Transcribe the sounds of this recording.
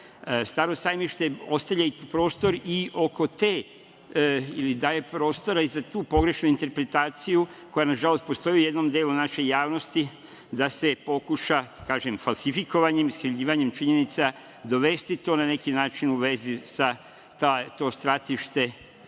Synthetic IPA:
st̪aːɾo̞st̪aːjmiʃt̪e̞o̞st̪aʋʎaipɾo̞ːst̪o̞ɾiʔo̞ko̞t̪e | ilid̪aːje̞pɾo̞ːst̪o̞ɾaizat̪uːpo̞ɡɾe̞ʃnuint̪e̞ɾpɾe̞t̪aːt̪sijuko̞janaʒalo̞st̪po̞st̪o̞jiuje̞d̪no̞md̪e̞ːlunaʃe̞jaːʋno̞st̪i | d̪ase̞po̞kuʃakaːʒemfalˠsifiko̞ʋaɲemiskɾiʋʎiːʋaɲe̞mt͡ʃiɲenit̪sa | d̪o̞ʋe̞st̪it̪o̞nane̞kinaːt͡ʃinuʋe̞zisa | t̪at̪o̞ːst̪ɾat̪iʃt̪e̞

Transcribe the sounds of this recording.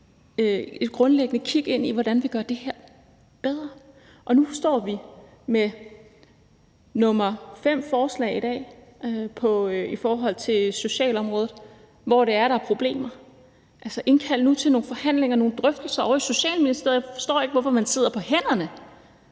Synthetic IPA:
øe̝d̥̚ɡ̥ʁɔ̽nleɡ̥ənəkʰiɡ̥e̝n̰iʋɒɾ̥ænʋiɡ̥ɶɐd̥e̝heɐ̰ | b̥eð̞ˠʁɐ | ʔɒ̽nufɒsd̥ɒ̰ːʋi | me | nɔ̽mɐfem̰fɒːslɛ̰ɪidɛ̰ːpʰɒ̽ifɒːɦɒ̽l̰t͡sʰe̝so̝ɕɛ̰ːlɒ̽mʁɔ̽ːð̩ˠ | ʋɒɾ̥e̝æɐɾ̥ɑ̈æɐpʰʁo̝b̥le̝̰ːmɐ | ʔælsɐʔe̝nkʰæl̰nut͡sʰe̝lno̝ːnfɒ̽hæn̰le̝ŋɐno̝ːn̩d̥ʁœfd̥l̩sɐɒʊiso̝ɕɛ̰ːlminisd̥e̝ɐ̰ðˠjɑfɒ̽sd̥ɔ̰ːe̝ɡ̥ʋɒfɒ̽mænse̝ð̞̰ˠɐpʰɒ̽hen̰ɐnə

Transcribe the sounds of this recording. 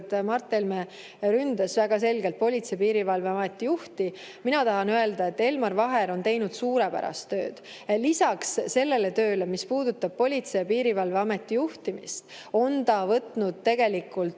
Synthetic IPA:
t̪mɑrt̪ːˑelme | ɾynd̪̥ɑsvæɡ̥ɑse̞lɡelt̪̚po̞lʲit̪sepiːɾivɑlve̞ɑme̞t̪ːˑijuht̪i | minɑt̪ɑɦɑnøe̞ld̪ɑe̞t̪ːe̞lmɑrvɑɦe̞ɾo̞nt̪e̞jnud̪̥suːɾepæ̰ɾɑ̰st̪ːø̞̰ːd̪̥ | lisɑkssːe̞lːe̞le̞t̪ø̞ːle̞mispuːd̪ut̪ːɑb̥̚po̞lʲit̪sepiːɾivɑlve̞ɑme̞t̪ːˑijuht̪imist̪ | o̞nt̪ɑvɤt̪nud̪̥̚t̪ːe̞ɡ̥e̞likːˑult̪

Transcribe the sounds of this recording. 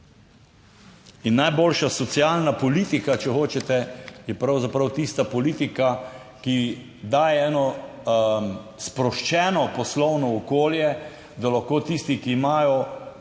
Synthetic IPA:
inːajboːlʃasɔt̪siaːlnapɔliːt̪ikat͡ʃɛxoːt͡ʃɛt̪ɛjɛpɾawzapɾawt̪iːst̪apɔliːt̪ika | ki | d̪aːjɛɛːnɔ | spɾɔʃt͡ʃɛːnɔpɔslɔwnɔːkoːljɛ | d̪alaxkoːt̪ist̪ikiːmaːjɔ

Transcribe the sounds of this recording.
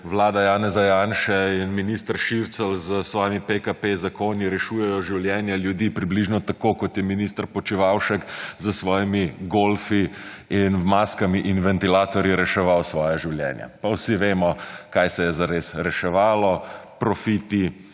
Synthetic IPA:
ʋlaːd̪ajaːnɛzajanʃɛinminist̪əɾʃiɾt̪sɛlzəsʋɔːjimipekapezakoːniɾɛʃuːjɛjɔʒiwljɛːnjaljud̪iːpɾibliʒnɔt̪akokɔt̪jɛminist̪əɾpɔt͡ʃiʋawʃɛkzəsʋɔːjimiɡolfi | inmaːskamiʔinʋɛnt̪ilaːt̪ɔɾjiɾɛʃɛʋawsʋɔːjaʒiwljɛ̰nja̰pawsiʋeːmɔkajsɛjɛzaɾesɾɛʃɛʋaːlɔpɾɔfiːt̪i

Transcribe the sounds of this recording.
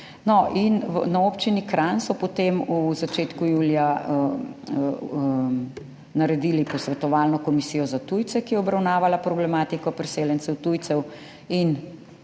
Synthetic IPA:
nɔʔinnaoːpt͡ʃinikɾansɔpɔt̪emuzat͡ʃeːt̪kujuːlija | naɾɛd̪iːlipɔsʋɛt̪ɔʋaːlnɔkɔmisiːjɔzat̪ujt̪sɛkijɛɔbɾawnaːʋalapɾɔblɛmaːt̪ikɔpɾɛseːljɛnsɛwt̪ujt̪sɛw | in

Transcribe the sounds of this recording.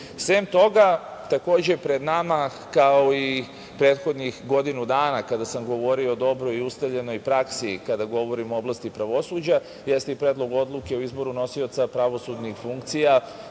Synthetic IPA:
sʋemt̪o̞ɡa | t̪ako̞ːd͡ʑe̞pɾe̞d̪nama | kaoi | pɾeːt̪xo̞d̪nixɡo̞d̪inud̪aːnakad̪asamɡo̞ʋo̞ɾioːd̪o̞bɾo̞iust̪aʋʎe̞no̞jpɾaksikad̪aɡo̞ʋo̞ɾimooblast̪ipɾaʋo̞suːd͡ʑa | je̞st̪eipɾeːd̪lˠo̞ɡo̞d̪lˠuke̞uizbo̞ɾuno̞sio̞t̪sapɾaʋo̞sud̪nixfuŋkt̪sija

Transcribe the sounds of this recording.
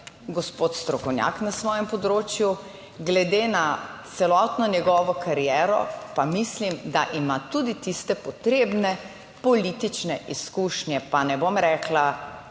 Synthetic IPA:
ɡɔspot̪st̪ɾɔkɔwnʲja̰knasʋɔːjɛmpɔd̪ɾoːt͡ʃju | ɡlɛd̪enat̪sɛlɔt̪nɔnʲjɛɡɔʋɔkʰaɾijɛːɾɔ̰pamislimd̪aʔimat̪ud̪it̪ist̪ɛpɔt̪ɾebnɛ | pɔlit̪it͡ʃnɛʔiskuʃnjɛpanɛbomɾɛːkla

